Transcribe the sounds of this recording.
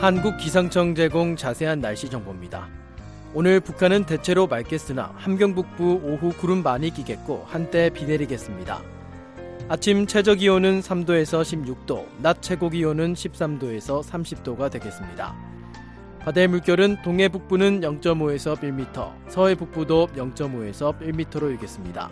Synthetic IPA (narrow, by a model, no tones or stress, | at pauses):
hanɡuk̚k͈isʰaŋt͡ɕʰʌŋd͡ʑe̞ɡoŋt͡ɕasʰe̞ɦanːaɭɕ͈id͡ʑʌŋbomɲida̰ | onɯɭpukʰanɯnte̞t͡ɕʰe̞ɾomaɭk͈e̞s͈ɯna̰hamɡjʌŋbuk̚p͈uoɦukuɾɯmːaɲik͈iɡe̞t̚k͈ohant͈e̞pine̞ɾiɡe̞s͈ɯmɲida̰ | at͡ɕʰimt͡ɕʰe̞d͡ʑʌɡionɯnsʰamdoe̞sʰʌɕʰibjuk̚t͈o̰nat̚t͡ɕʰe̞ɡoɡionɯnɕʰip̚s͈amdoe̞sʰʌsʰamɕʰip̚t͈oɡadwe̞ɡe̞s͈ɯmɲida̰ | padaɭmuɭkjʌɾɯntoŋɦe̞buk̚p͈unɯnjʌŋt͡ɕ͈ʌmoe̞sʰʌp͈iɭmitʰʌ̰ | sʰʌe̞buk̚p͈udojʌŋt͡ɕ͈ʌmoe̞sʰʌp͈ʼiɭmitʰʌɾoiɭɡe̞s͈ɯmɲida̰